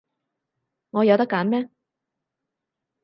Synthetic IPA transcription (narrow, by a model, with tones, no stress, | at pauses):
ŋɔː˨˧jɐ˨˧wt̪ɐ˥kːaː˨˥nmɛː˥